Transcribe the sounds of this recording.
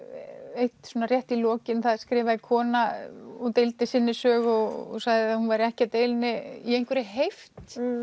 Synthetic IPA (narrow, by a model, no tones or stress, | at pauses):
ejt̪sɔːnarjɛht̪ilɔːcɪnθaðskɾɪːvaðɪkʰɔːnaɔɣt̪ejlt̪ɪsɪnːɪsœːɣɔɣɔ̰saɣðɪahunvajɾɛhcɪat̪eːjlnɪiejn̥kʰvɛɾɪɦejft̪